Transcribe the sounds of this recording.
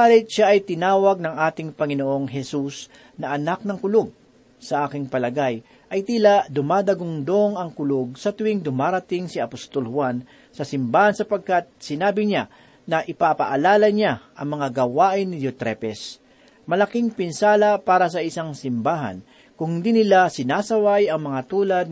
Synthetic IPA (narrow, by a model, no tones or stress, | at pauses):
aːlɪt̪̚ʃaʔɐjt̪ɪnaːwɐɡ̚nɐŋʔaːt̪ɪŋpɐŋɪnoʔo̞ŋɦɛsus | nɐʔɐnak̚nɐŋkʊloɡ̚ | sɐʔaːkɪŋpɐlɐɡaj | ʔɐjt̪ilad̪ʊmaːd̪ɐɡʊŋd̪oŋɐŋkʊloɡ̚sɐt̪ʊwɪŋd̪ʊmaːɾɐt̪ɪŋsiɐpost̪olhʊwan | sɐsɪmbaːhɐnsɐpɐɡ̚kat̪̚sɪnaːbɪɲa | nɐʔɪpapɐʔɐlaːlɐɲaʔɐŋmɐŋaɡɐwaːʔɪnːɪd͡ʒot̪ɾɛpɛs | mɐlɐkiŋpɪnsaːlɐpaːɾɐs̬ɐʔɪsaŋsɪmbaːɦɐ̰n | kʊŋhɪnd̪inɪlasɪnaːsɐwajɐŋmɐŋat̪uːlɐd̪